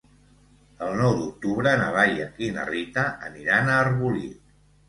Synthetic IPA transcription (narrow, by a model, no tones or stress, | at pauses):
əlˠnɔwd̪uk̚t̪uβɾənəβaʎə̰kinə̰rit̪əə̰niɾanaːrβulḭ